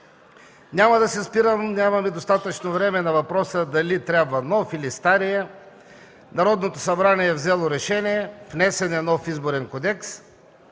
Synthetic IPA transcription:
nʲamɐd̪ɐsɛspiɾəmnʲamɐmɛd̪ost̪at̪ət͡ʃnovɾɛmɛnɐvɐpɾɔsəd̪ɐlit̪ɾʲabvɐnɔfilist̪aɾijɛ | nɐɾɔd̪not̪osɐbɾanʲiɛːvzɛlˠoɾɛʃɛnʲijɛfnɛsɛnɛnɔfizboɾɛnkod̪ɛks

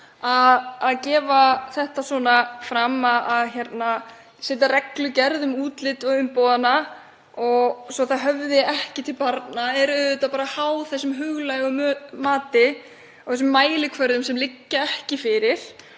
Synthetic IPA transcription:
aðːðcɛːvaθɛht̪aswɔnafɾamaðaðçjɛt̪na | sɪːt̪arɛklʏcɛɾðʏmuːt̪lɪt̪ɔʏmpowðana | ɔɣsɔθaðɦœvðɪɛhcɪt̪ʰɪlpaɾt̪naɛɾʏðʏt̪apaːɾahawθɛsːʏmɦʏɣlajʏmmaːt̪ɪ | awθɛs̬ʏmːaːjlɪkʰvœɾðʏmsɛmlɪcːaɛhcɪfɪɾɪɾ̥

